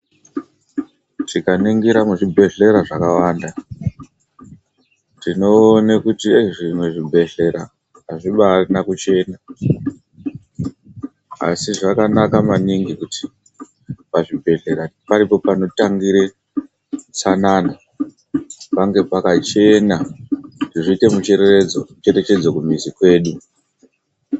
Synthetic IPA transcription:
tikaniŋɡiɾamuʐibʱe̞ɮe̞ɾaʐakawaːnda | tino̞ːnekutieʐimwe̞ʐibʱe̞ɮe̞ɾa̰ | aʐiɓarnakut͡ʃe̞na | a̰siʐakanakamaniŋɡikuti̥ | paʐibʱe̞ɮe̞ɾapaɾipo̞pano̞taŋɡiɾe̞ | sanana | paŋɡe̞pakat͡ʃe̞natiʐiːte̞mut͡ʃereot͡ʃe̞ɾe̞t͡ʃe̞d͡zokumizikwe̞ːɗu

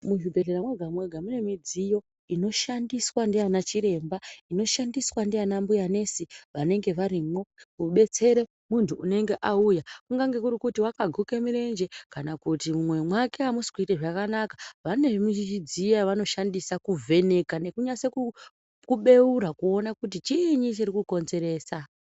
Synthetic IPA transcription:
muʐibʱe̞ɮeɾamweɡʱamwe̞ɡʱamune̞mid͡zijo̞ | ino̞ʃandiswandijanat͡ʃiɾe̞mbaino̞ʃandiswandijanambujane̞siʋane̞ŋɡe̞ʋaɾimo̞uɓe̞t͡se̞ɾe̞ | muntʰuːne̞ŋɡe̞ʔaujakuŋɡaŋɡe̞kuɾikutiwakaɡʱuke̞miɾe̞nd͡ʒe̞kanakutimumwe̞mwake̞amusi̥kuiteʐakanakaʋane̞mut͡ʃit͡ʃid͡zijaʋano̞ʃandisakuvʱe̞ne̞kane̞kuɲaseku | kuɓe̞uɾakuo̞nakutit͡ʃiɲit͡ʃirikuko̞nze̞ɾe̞ːsa

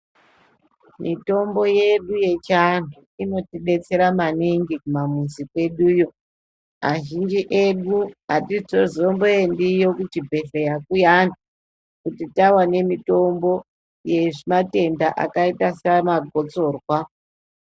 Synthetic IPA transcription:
mito̞mbo̞je̞ɗuje̞t͡ʃan̤u | ino̞tiɗe̞t͡se̞ɾamaniŋɡikumamunzikwe̞ɗujo | aʒind͡ʒiʔe̞ɗuatiozombojendijokut͡ʃibʱe̞ɬejakujana | kutitawane̞mito̞mbo̞ | je̞ʐimate̞ndaʔa̰kaitasamaɡʱot͡so̞ːrwa

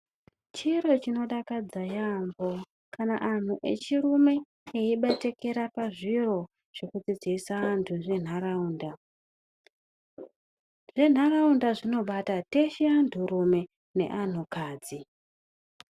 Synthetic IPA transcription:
t͡ʃiɾo̞t͡ʃino̞ɗakad͡zajambo̞ | kʰanaʔan̤uʔe̞̰t͡ʃiɾume̞ | eiɓete̞ke̞ɾapaʐiro̞ | ʐ̥o̞kud͡zid͡ziːsaantʰuʐe̞n̤aɾauːnda | ʐe̞n̤araundaʐino̞ɓatate̞ʃiandʱuɾume̞ | ne̞̰ʔan̤ukaːd͡zi

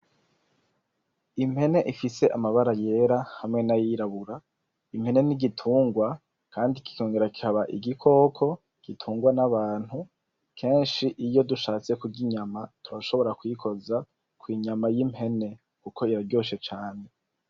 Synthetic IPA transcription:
im̥he̞ne̞ʔifise̞ʔamaβaɾaje̞ɾahamŋe̞najiɾaβuɾa | im̥he̞ne̞niɡitʰuːŋɡwa | kaːndiki̥ko̞ːŋɡe̞ɾaki̥haβaʔḭɡikʰo̞ːkʰo̞ | ɡ̥itʰuːŋɡwanaβaːn̥hu | kʰe̞ːnʃiʔijo̞duʃaːt͡se̞kuɟiɲamatuɾaʃo̞βo̞ɾakwikʰo̞za | kwiːɲamajim̥he̞ne̞ | kukʰo̞iɾaɾɟoːʃe̞t͡ʃaːne̞

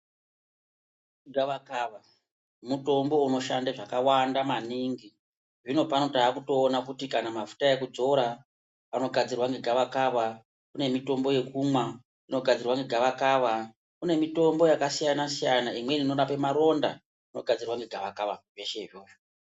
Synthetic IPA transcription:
ɡʱaʋakaʋa | muto̞mbo̞uno̞ʃandeʐakawandamaniŋɡi | ʐino̞pano̞taːkuto̞ːnakutikanamafu̥taekud͡zo̞ɾa | ano̞ɡʱad͡zirwaŋɡeɡʱaʋakaʋa | kune̞mito̞mbo̞je̞kumwa | ino̞ɡʱad͡zirwaŋɡeɡʱaʋakaʋa | kune̞mito̞mbo̞jakasijanasijanaimwe̞nino̞ɾapemaɾo̞nda̰ | ino̞ɡʱad͡zirwaŋɡeɡʱaʋakaʋa̰ʐje̞ʃeʐjoːʃo̥

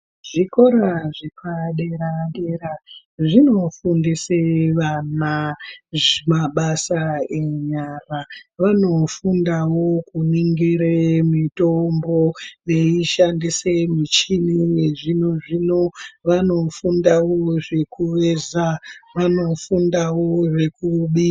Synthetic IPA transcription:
ʐikoɾaʐepaɗeɾaɗeɾa | ʐino̞fundiseʋanaʐemaɓasae̞ɲaraʋano̞fundawo̞kuniŋɡiɾemitombo̞jeiʃandisemit͡ʃinineʐino̞ʐino̞ʋanofundawoʐe̞kuʋezaʋano̞fundawo̞ʐe̞kuɓi

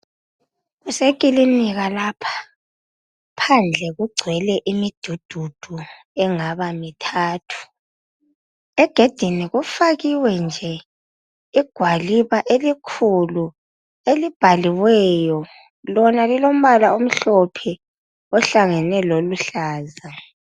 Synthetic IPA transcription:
ɣusekʼiliniɣalaːpʰḁ | pʰand͡ɮʱɛɣuɡ͡ǀʱwɛlɛʔimid̥ʱud̥ʱud̥ʱu | ɛŋaβamitʰaːtʰu̥ | ɛɡ̥ʱed̥ʱiniɣufaɣiwɛnd͡ʒʱɛ | iɡ̥ʱwaliβaʔelikʰulu | elib̥ʱaliwɛjɔ | lɔnalilom̩βalaom̩ɬɔpʰɛ | ɔɬaŋɛnɛloluɬaːza

